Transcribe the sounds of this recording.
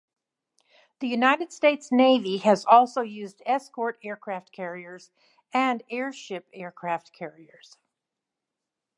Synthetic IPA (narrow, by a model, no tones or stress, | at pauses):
ðɨjʉnaɪɾɨd̥steɪtsneɪviɨzɔlˠsoʊjʉzdɛskɔɹɾɛɹkʰɹ̥æft̚kʰɛɹiə˞z̥ | ɨ̃nɛɹʃɪpɛɹkʰɹ̥æft̚kʰɛɹiə˞z̥